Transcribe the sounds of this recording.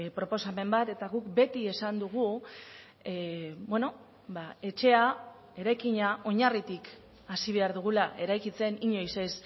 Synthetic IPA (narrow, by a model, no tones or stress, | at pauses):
pɾo̞po̞same̞mbat̪e̞t̪aɣukbe̞t̪ie̞sand̪uɣ̞u | bwe̞no̞ | bae̞t͡ʃe̞a | e̞ɾajkiɲao̞ɲarit̪ik | asiβ̞e̞aɾðuɣ̞ulaʔe̞ɾajkit͡se̞niɲo̞jse̞s